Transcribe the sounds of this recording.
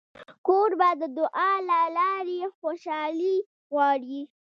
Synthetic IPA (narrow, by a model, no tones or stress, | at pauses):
koɾbad̪əd̪ʊʔɑlalɑɾexoʃɑli | ɣwɑɽi